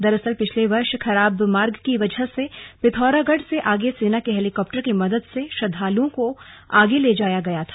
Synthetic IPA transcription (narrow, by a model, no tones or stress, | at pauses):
d̪ɐɾɐsəlpɪt͡ʃʰleʋɐɾʃxʰɐɾaːbmaːɾɡkiʋɐd͡ʒəɦsepɪt̪ʰɔːɾaɡəɖseʔaːɡeseːnakeɦɛːlɪkɔːp̚ʈəɾkimɐd̪əd̪seʃɐd̪ʱaːlõkoaːɡeleːd͡ʒaːjaɡɐjat̪ʰḁː